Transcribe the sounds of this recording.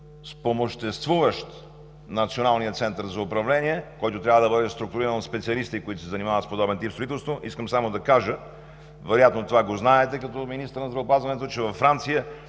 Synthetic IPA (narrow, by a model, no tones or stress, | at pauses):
spomoʃt̪ɛst̪vuvəʃt̪ | nɐt̪sionalˠnijət̪sɛnt̪əɾzɐʊpɾɐvlɛniɛkɔjt̪ʊt̪ɾʲavəd̪ɐbɤd̪ɛst̪ɾʊk̚t̪ʊɾiɾənspɛt̪siɐlist̪ikoit̪ʊsɛzɐnimavət̪spod̪ɔbɛnt̪ipst̪ɾoit̪ɛlˠst̪voʔiskəmsamod̪ɐkaʒə | vɛɾojat̪not̪ovaɡoznaɛt̪ɛkɐt̪ɔminist̪əɾnɐzd̪ɾɐopazvɐnɛt̪ot͡ʃɛvɐfːɾant̪sijə